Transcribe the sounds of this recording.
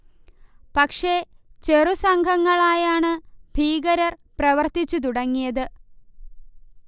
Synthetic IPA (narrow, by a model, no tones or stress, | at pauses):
pɐkʂe̞t͡ɕe̞rusɐŋɡʱɐŋːɐɭaːjaːɳɨbʱiːɡɐɾɐrprɐʋɐrt̪it͡ɕːut̪̬uɽɐŋːijɐðɨ